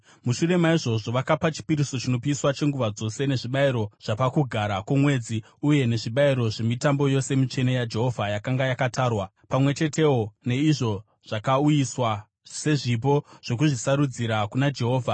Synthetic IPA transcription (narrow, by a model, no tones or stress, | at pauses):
muʃure̞maiʐo̞ʐo̞ʋakapat͡ʃi̥piɾiso̞t͡ʃino̞piiswat͡ʃe̞ŋɡuʋad͡zo̞se̞ne̞ʐiɓaiɾo̞ʐ̥apakuɡʱaɾakwomwe̞ːd͡zi | uje̞ne̞ʐiɓaiɾo̞ʐe̞mitambo̞jo̞se̞mit͡ʃe̞nejad͡ʒe̞ɦo̞vʱajakaŋɡajakataːrwa | pamwe̞t͡ʃe̞te̞wo̞ne̞iʐo̞ | ʐ̥akaujiswa | se̞ʐip̬o̞ʐ̥o̞k̬uʐisaɾud͡ziɾakunad͡ʒe̞ɦo̞ːvʱa